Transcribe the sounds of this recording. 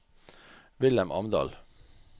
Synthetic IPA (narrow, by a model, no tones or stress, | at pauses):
ʋɪlɛmʔɑ̰md̪ɑ̰ːl